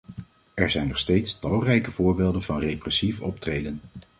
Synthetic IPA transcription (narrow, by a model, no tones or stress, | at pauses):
ɛɹzɛjnɔχstejtstɑlˠrɛjkəv̥ʊːɹbeːlˠdənvɑnrejprɛsifɔ̰p̚trejdən